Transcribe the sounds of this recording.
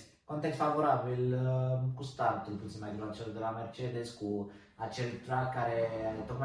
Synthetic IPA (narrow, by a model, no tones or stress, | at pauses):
kant̪ɛkfavoɾabilkust̪ant̪ulput̪simad̪iɾat̪sjold̪əlamɛɾt͡ʃɛd̪ɛsku | at͡ʃːɛlt̪ɾakːaɾeaɾet̪oma